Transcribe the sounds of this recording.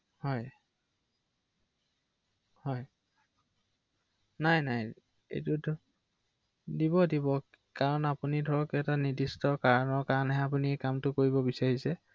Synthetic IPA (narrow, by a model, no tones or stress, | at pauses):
hɔj | hɔj | najnaj | ḛjtud | dibɔdibɔ | kaɹɔnapunidʱɔɹɔkɛtanidistɔkaɹɔnɔɹkaɹɔnɦɛapuniɛkamtʊkoɹibɔbisaɹisɛ